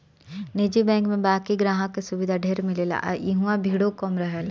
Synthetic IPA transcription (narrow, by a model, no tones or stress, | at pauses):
nid͡ʒibɛ̃ːŋkmẽbaːkiɡɾaːɦãkesʊʋɪd̪ʱaɖʱeɾmɪlela̰ːʔiɦũãbʱiːɽokɔmɾɐɦel